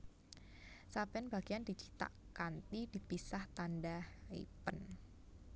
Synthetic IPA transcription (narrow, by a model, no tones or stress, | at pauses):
sabɛnbaɡ̥iandit͡ʃi̥t̪a̰ʔkant̪idipisaht̪andahḭpən